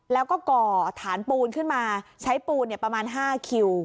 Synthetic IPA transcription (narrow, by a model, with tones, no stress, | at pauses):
lɛː˦˥wkɔː˥˩kɔː˧˩t̪ʰaː˩˦npuː˧nkʰɯ˥˩nmaː˧t͡ɕʰa˦˥jpuː˧nːi˥˩ɐpɾa˧maː˧nɦaː˥˩kʰi˧w